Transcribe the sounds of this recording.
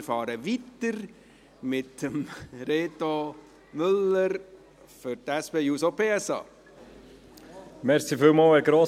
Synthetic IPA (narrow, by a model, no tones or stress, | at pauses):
ɾfɑːɾəʋit̪əɾ | mɪtəmɾeːt̪o | mʏləɾ | fʏɾtɛspeːjuːsopʰeːɛsɑ̰ː | mɛɾsifɪlmɑːlɛɡɾoː